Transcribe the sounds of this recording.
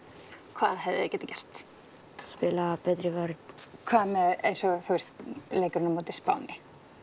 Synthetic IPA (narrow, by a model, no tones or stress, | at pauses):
kʰva̰ːðɦɛvðɪ̰ɪ̰cɛːt̪acɛr̥t̪ | spɪːlapɛt̪ɾɪvœɾd̪kʰvaːðmɛejnsɔθuɛst̪lejkʏɾʏnamoːt̪ɪspa̰wnɪ